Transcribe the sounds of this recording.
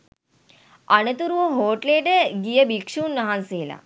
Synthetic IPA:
ɐnət̪uɾuʋoɦoːʈleːʈəɡijəbikʂuːnːɐɦanseɦːla̰

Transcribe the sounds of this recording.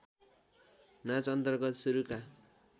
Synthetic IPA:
nat͡sʌnt̪ʌrɡʌt̪suɾuka

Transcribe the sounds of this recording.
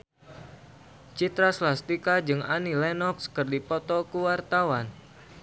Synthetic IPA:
t͡ʃit̪ɾaslast̪ikad͡ʒɨŋanilɛnɔkskərdipɔt̪ɔkuwart̪awan

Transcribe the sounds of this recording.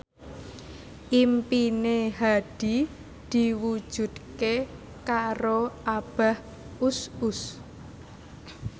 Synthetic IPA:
ʔimpineɦad̪̥i̤ | d̪̥i̤wu̥ʒ̥ṳd̪̚ke | kaɾoʔab̥a̤h | usʊs

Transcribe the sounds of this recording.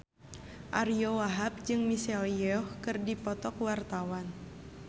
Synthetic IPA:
ʔaɾiowaɦap̚d͡ʒɨŋmisɛljɔhkɨrdipɔt̪ɔkwart̪awan

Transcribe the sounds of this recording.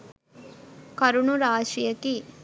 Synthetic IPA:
kɐɾuɳuɾaːʂijɐki

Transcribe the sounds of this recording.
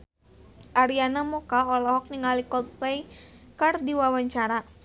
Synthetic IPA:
ʔaɾianamɔkaɔlɔɦɔk̚niŋalikɔt̪ɛikardiwawaɲt͡ʃaɾa

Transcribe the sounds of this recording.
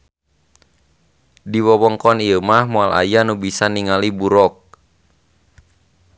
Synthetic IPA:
diwɔwɔŋkɔniəmahmoala̰janubisaniŋalibuɾɔk̚

